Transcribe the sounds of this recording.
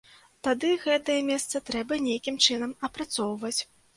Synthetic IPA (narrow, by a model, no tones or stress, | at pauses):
t̪ad̪ɨɣɛt̪ɐjɛmʲɛst̪sɐt̪ɾɛbɐnʲejkʲimt͡ʂɨnɐmɐpɾat̪sɔwvɐt͡sʲ